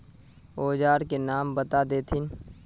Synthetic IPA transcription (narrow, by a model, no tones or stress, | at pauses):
oːd͡ʒaːɾkenaːmbət̪ad̪eːt̪ʰɪn